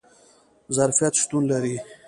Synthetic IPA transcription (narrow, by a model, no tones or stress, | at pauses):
zaɾfijat̪ʃt̪unlaɾi